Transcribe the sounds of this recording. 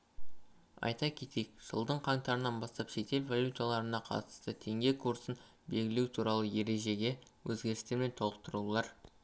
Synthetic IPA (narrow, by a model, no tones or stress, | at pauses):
ɑ̰jt̪ɑkʲʰe̞t̪ejkʒ̥ə̰lˠd̪əɴqʰɑŋt̪ɑɾənɑnbɑst̪ɑpʃe̞t̪e̞lvalʲjut̪alˠɑɾənɑqʰɑ̰t̪ə̥st̪ət̪ʰe̞ŋɡʲe̞kʰuɾsən | be̞lɡʲɪle̞wut̪ʰuɾɑlˠəje̞ɾe̞ʒe̞ɡʲe̞wʔɵzɡʲe̞ɾɪst̪eɾme̞nt̪ʰo̞lˠəq̚t̪əɾulˠɑɾ